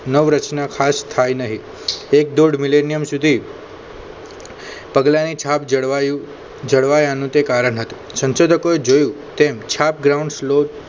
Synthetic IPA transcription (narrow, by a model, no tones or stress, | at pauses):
nəʋɾət͡ʃnakʰast̪ʰajnəɦi | ek̚d̪oɖmilenijəmsud̪ʱi | pəɡlanit͡ʃʰap | d͡ʒəɽʋajanũt̪ekaɾəɳɦət̪ũsə̃nʃod̪ʱəkoed͡ʒojũ | t̪emt͡ʃʰap̚ɡɾaũɳɖslo